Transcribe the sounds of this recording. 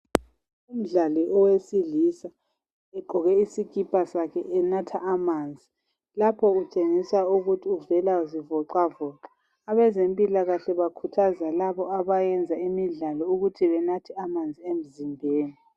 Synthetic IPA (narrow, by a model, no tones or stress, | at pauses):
um̩ɮaliʔɔwesiɮisa | ɛǃʱɔɣɛisiɡ̥ʱipʼasakʰɛ̰ʔɛnatʰaʔamaːnd͡zʱi | lapʰɔut͡ʃʼeŋisauɣutʰiuvɛlazivɔǃavɔːǃḁ | aβɛzempʼilaɣaɬɛβakʰutʰazalaβɔaβajɛnd͡zʱaimiɮalɔuɣutʰiβɛnatʰɛamand͡zʱiem̩zimbʱeːni